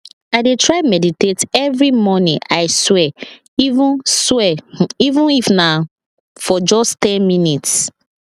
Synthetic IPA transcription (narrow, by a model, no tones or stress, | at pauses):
aɪdetʰɹaɪmɛditetɛvɹimɔnĩʔaɪswɛ | ivũnswɛivũnifna | fɔd͡ʒɔstɛ̃nminits